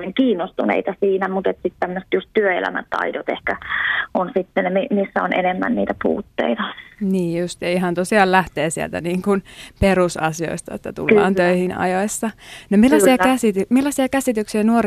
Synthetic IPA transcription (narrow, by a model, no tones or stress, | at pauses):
eŋkiːnːost̪unḛit̪ɑsiːnæmut̪et̪sit̪t̪æmːøst̪just̪t̪yøḛlæ̰mæ̰nt̪ɑ̰idot̪ḛhkæʔonsit̪ːenemimisːæonʔḛnemːæ̰nniːt̪æpṵːt̪ːḛit̪ɑniːjjust̪jɑiɦɑnt̪osiɑːllæht̪eːsiæ̰lt̪æ̰niːŋkunperusɑsio̰ist̪ɑet̪ːæt̪ṵlːɑ̰ːnt̪øihinɑ̰joisːɑnomilːɑsiɑkæsit̪ymilːɑsiɑkæsit̪yksiɑnuor